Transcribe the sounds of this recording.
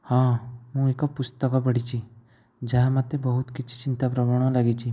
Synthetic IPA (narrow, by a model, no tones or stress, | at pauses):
hãmũekapʊst̪əkap̬ɐɽit͡ʃʰi | d͡ʒaɦamat̪ːebəɦʊt̪kɪtːt͡ʃʰi̥t͡ʃɪnt̪apɾəmaɽ̃õlaɡit͡ʃʰi